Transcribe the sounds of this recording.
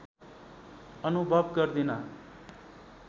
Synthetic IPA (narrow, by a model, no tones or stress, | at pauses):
ʌnubʱʌbkʌɾd̪ina